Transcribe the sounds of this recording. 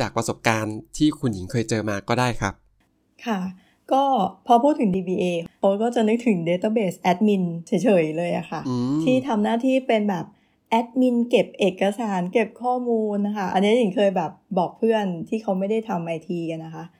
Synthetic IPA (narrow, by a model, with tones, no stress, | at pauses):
t͡ɕaː˨˩k̚pɾa˧so˨˩p̚kaː˧nt̪ʰiː˥˩kʰu˧nji˩˦ŋkʰɤː˧jt͡ɕɤː˧maː˧kɔː˥˩daː˥˩jkʰa˦˥p̚ | kʰa˥˩ | kɔː˥˩pʰɔː˧pʰuː˥˩t̪ʰːɯ˩˦ŋdiː˧biː˧ʔeː˧kʰo˦˥kɔː˥˩t͡ɕa˨˩nɯ˦˥k̚t̪ʰɯ˩˦ŋdeː˧t̪aː˥˩beː˨˩sʔɛ˦˥t̪̚mi˧nt͡ɕʰi˨˩˦jt͡ɕʰɤː˩˦jlɤː˧jʔa̰˨˩xʰa˥˩t̪ʰiː˥˩t̪ʰa˧mnaː˥˩t̪ʰiː˥˩pe˧nbɛː˨˩p̚ | ʔɛ˦˥t̪̚mi˧nke˨˩p̚ʔeː˨˩kːa˧saː˩˦nke˨˩p̚kʰɔː˥˩muː˧nkʰa˥˩ʔa̰˧nːi˦˥ɐji˩˦ŋkʰɤː˧jbɛː˨˩p̚bɔː˨˩k̚pʰɯ˥˩ənt̪ʰiː˥˩kʰa˦˥wma˥˩jda˥˩jt̪ʰa˧mʔa˧jt̪ʰiː˧ka˧˩nːa˦˥kʰa˦˥ʔ